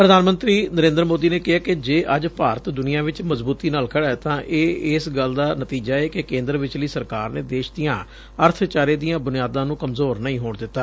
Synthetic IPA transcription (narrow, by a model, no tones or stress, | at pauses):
pɾəd̪aːnmənt̪ɾiːnəɾẽːnd̪əɾmoːd̪iːneːkɪɦaːkɪd͡ʒeːʔəd͡ʒpaːɾət̪d̪ʊnɪjãːʋɪt͡ʃməzbuːt̪iːnaːlkʰəɽaːt̪ãːʔeːɪsɡəld̪aːnət̪iːd͡ʒaːeːkekẽːnd̪ɾəʋɪt͡ʃləiːsəɾkaːɾneːd̪eːʃd̪ijãː | əɾt̪ʰt͡ʃaːɾeːd̪ijãːbʊnɪjaːd̪ãːnũːkəmzoːɾnəĩːɦoːɳd̪ɪt̪ːaː